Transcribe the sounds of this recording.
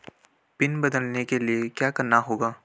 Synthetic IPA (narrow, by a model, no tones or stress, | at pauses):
pɪnbɐd̪əlnekeliekjaːkɐɾnaɦoːɡaː